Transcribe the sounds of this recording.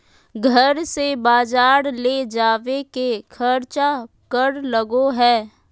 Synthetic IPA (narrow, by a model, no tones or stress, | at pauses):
ɡʱəɾsebaːd͡ʒaːɾled͡ʒaːʋekekʰəɾt͡ʃa | kəɾləɡoɦɛː